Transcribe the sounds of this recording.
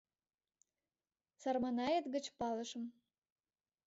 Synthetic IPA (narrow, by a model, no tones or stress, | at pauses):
sɑrmɑnɑjət̪ɡə̆t͡ɕpɑlə̆ʃə̆m